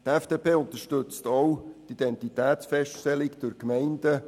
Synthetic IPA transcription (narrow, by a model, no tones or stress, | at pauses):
t̪ɛfd̥eːpʰeːʊnt̪əʃtʏt͡stowt̪id̥ɛntit̪ɛːtt͡sfɛstʃtɛlɪkd̥ʊɾkmɛɪndə